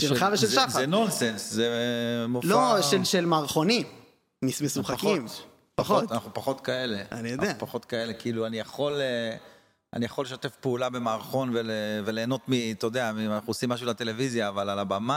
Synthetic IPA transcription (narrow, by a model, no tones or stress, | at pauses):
ʃelχaveʃelʃazenonsenszemolfoʃelʃelmaːʁχo̞nimː | ismesuχakim | paχott̪anaχupaχo̞t̪kae̞le̞anijod̪eapaχo̞t̪kae̞le̞kiiluanijaχo̞le | a̰nijaχoleʃ̬ot̪efpeulabe̞maːʁχo̞nvelevele̞ːno̞t̪mit̪od̪eaianaχuosimːaʃ̬ulat̪e̞le̞vizjaːvalalabama